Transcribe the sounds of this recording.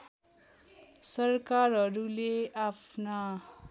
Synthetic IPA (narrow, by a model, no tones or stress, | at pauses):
sʌrkarɦʌɾuleapʰna